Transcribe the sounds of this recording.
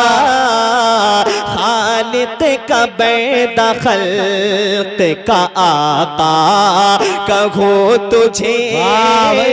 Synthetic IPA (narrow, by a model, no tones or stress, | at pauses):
xaːlɪt̪ekabɛd̪axɐl | t̪ekaʔat̪aː | kɐɡʱot̪ʊd͡ʒʱe